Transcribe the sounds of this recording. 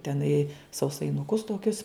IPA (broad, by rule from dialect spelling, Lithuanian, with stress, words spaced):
tʲɛˈnɐɪ sɐʊsɐɪnʊˈkʊs toːˈkʲʊs